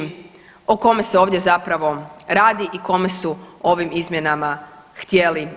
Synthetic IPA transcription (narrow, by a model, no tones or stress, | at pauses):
oko̞me̞seo̞ːʋd̪jezapɾaʋo̞ɾaːd̪iʔiko̞me̞suo̞ʋimizmje̞nama | xt̪je̞li